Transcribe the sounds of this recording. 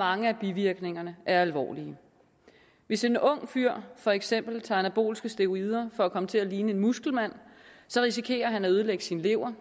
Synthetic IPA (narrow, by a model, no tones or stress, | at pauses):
ɑ̈ŋəæb̥iʋiɐɡ̥ne̝ŋɐnəʔæɐælʋɒ̰ːliə | ʋe̝se̝nɔ̽ŋ̰fyɐ̰fɒ̽eɡ̥sem̰b̥l̩t͡sʰɑ̈ænæb̥o̝̰ːlsɡ̥əsd̥e̝o̝iːð̞ˠɐfɒ̽ækʰɒ̽mət͡sʰe̝læliːnəe̝nmusɡ̥l̩mæn̰sɒ̽ʁisikʰe̝̰ːɐɦænæøð̞̩ˠleɡ̥əsinle̝ʊ̰ɐ